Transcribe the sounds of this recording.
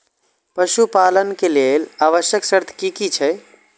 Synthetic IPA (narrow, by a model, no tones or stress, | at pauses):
pəʃupalənkelelaːʋəʃjəksəɾt̪ʰkikit͡ʃʰɛ